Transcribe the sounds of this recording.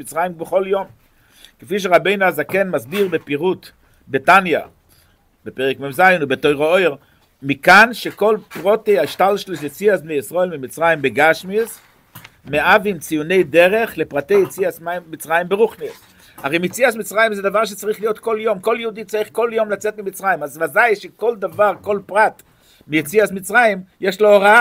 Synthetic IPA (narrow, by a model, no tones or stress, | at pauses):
mit͡sʁajimbeχoljom | kefiʃ̬eʁabejnuazakenmazbiʁbepiʁut | betanja̰ | bepɛʁekmemzajnubetojʁaojʁ | mikanʃekolpʁoteaiʃtalʃluslet͡siasbnejisʁoelmimit͡sʁajimbeɡaʃmis | meʔavimt͡sijunejd̪eʁeχlepʁat̪ejet͡siasamit͡sʁajimbeʁuχnis | aʁejmjet͡siasmit͡sʁajimzɛd̪avaʁʃ̬et͡saʁiχlijot̪koljomkoljud̪it͡saʁiχkoljomlat͡set̪mimit͡sʁajimazmazajʃekold̪avaʁkolpʁat̪ | mijet͡siasmit͡sʁajimjeʃlooʁa